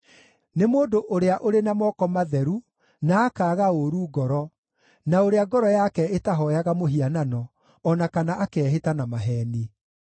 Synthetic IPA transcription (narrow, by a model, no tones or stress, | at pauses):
nemoːdoʔoɾeaʔoɾenamɔkɔmaðɛɾu | naːkaːɣaoɾuːɡɔɾɔ | naoɾeaɡɔɾɔjakɛetaɦɔjaɣamoɦiananɔː | nakanaʔakɛɦetanamaɦɛni